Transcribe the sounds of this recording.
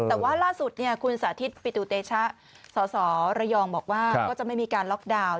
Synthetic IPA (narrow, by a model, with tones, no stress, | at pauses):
t̪ɛː˨˩waː˥˩laː˥˩su˨˩t̪̚ni˥˩ɐkʰu˧nsaː˩˦t̪ʰi˦˥t̪̚pi˨˩t̪uː˧˩t̪eː˧t͡ɕʰa˦˥ʔ | sɔː˩˦sɔː˩˦ɾa˧jɔː˧ŋbɔː˨˩k̚waː˥˩kɔː˥˩t͡ɕa˨˩ʔma˥˩jmiː˧kaː˧nlɔ˦˥k̚daː˧w